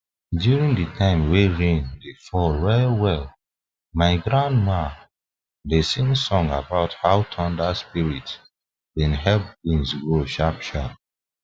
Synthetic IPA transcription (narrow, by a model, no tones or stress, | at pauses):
djuɹĩŋdɨtʰãɪ̃mweɹẽndefɔlɹɛwɛl | maɪɡɹãndma | desĩnsɔ̃ŋabaʊthaʊtʰɔ̃ndaspiɹit | bĩnɦɛlp̚ɡĩnsɡoʃapʃa